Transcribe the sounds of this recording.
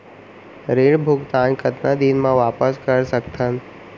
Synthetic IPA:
ɾeːɽbʱʊɡt̪aːnkʰɐt̪nad̪iːnmãʋaːpəskəɾsəkt̪ʰən

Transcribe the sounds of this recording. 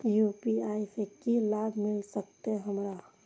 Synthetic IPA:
jupiaːifekilaːbʱmɪlsək̚t̪eɦəmɾa

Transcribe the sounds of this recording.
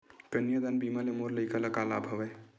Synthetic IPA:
pənjəd̪anbimalemoɾləjkələkalabʱəbɛ

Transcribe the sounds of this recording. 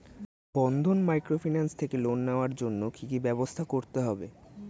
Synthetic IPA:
b̥ɔnd̪ʱonmajkɾofʰinanst̪ʰekelonːaoaɾd͡ʑonːokikibɛbost̪ʰakoɾt̪eɦɔbe

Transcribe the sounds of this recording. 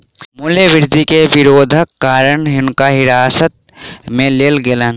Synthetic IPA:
mʊljəʋɪɾd̪ʱikeʋɪɾoːd̪ʱəkːaːɾəɳɦɪnkaɦɪɾaːsət̪̚mẽleːlɡɪlən

